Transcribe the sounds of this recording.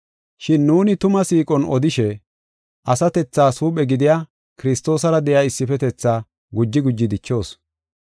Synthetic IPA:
ʃɪnːuːnɪt̪ʊmɐsiːkʼɔnɔd̪ɪʃɛ | ʔɐsɐt̪ɛt͡sːaːsuːpʼɛɡɪd̪ɪjaː | kɪɾɪst̪o̞ːsɐɾɐd̪ɛjaːɪsːɪfɛt̪ɛt͡sːaː | ɡʊd͡ʒːɪɡʊd͡ʒːɪd̪ɪt͡ʃːo̞ːs

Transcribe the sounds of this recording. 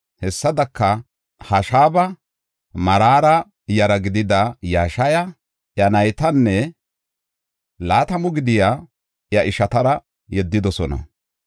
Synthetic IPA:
hɛsːɐd̪ɐkːɐ | hɐʃaːbɐ | mɐɾaːɾɐ | jɐɾɐɡɪd̪ɪd̪ɐjaːʃɐjɐ | ʔjɐnɐjt̪ɐnːɛ | laːt̪ɐmʊɡɪd̪ɪjaː | jɐʔɪʃɐt̪ɐɾɐ | jɛd̪ːɪd̪ɔsɔnɐ̰

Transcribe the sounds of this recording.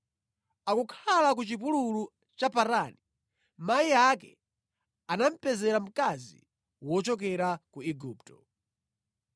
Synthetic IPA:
akukʰalak̬ut͡ʃip̬ululu | t͡ʃapaɾani | maiakɛ̰ | anam̩pɛzɛɾam̩kazḭ | wɔt͡ʃɔk̬ɛɾakuiɡuːptɔ

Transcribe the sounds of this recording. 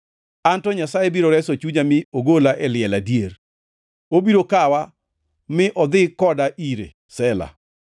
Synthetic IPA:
antɔɲasajebiɾoɾɛsot͡ʃuɲamɪoɡolaʔɛlɪɛladjeɾ | obiɾokawa | mɪʔɔd̪ɪkɔdaʔiɾḛ | sɛla̰

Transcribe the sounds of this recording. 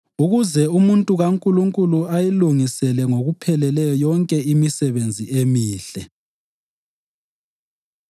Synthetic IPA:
uɣuzɛumuntʼuɣaŋkʼuluŋkʼuluajiluŋisɛlɛŋoɣupʰɛlɛlɛjɔjɔŋkʼɛimisɛβend͡zʱiʔemiːɬɛ

